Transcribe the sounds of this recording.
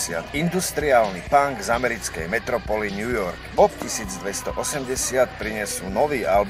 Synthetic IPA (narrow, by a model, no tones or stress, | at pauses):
sɪa̰t̪ind̪ust̪ɾiaːlnipaŋɡzamɛɾit͡skɛjmɛt̪ɾɔpɔlinjujɔɾkpɔpcisiːd͡zd̪ʋɛst̪ɔʔɔsɛmɟɛsɪat̪pɾiɲɛsuːnɔʋiːʔalb